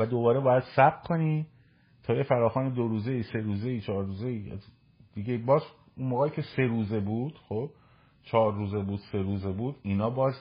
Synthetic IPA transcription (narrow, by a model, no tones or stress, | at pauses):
væd̪o̞bɒːɾebɒːjæd̪̥sæbkʰo̞niː | t̪ʰɒːjefæɾɒːxɒːned̪oɾuːze̞iːse̞ɾuːze̞iːt͡ʃʰɒːɾːuːzeiːæ̰z | d̪̥iɡe̞ibɒːz | unmoːɣɛːiːcʰe̞se̞ɾuːze̞buːd̪̥xob̥ | t͡ʃʰɒːɾːuːze̞buːd̪̥se̞ɾuːze̞buːd̪iːnɒːbɒːz